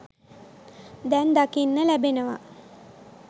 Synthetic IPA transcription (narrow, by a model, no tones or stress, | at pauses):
d̪ɛnd̪akinːəlæbenəʋa̰